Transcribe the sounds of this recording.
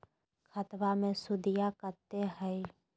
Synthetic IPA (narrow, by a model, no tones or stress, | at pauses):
kʰət̪wamẽsʊd̪ijakəɾt̪eɦɛe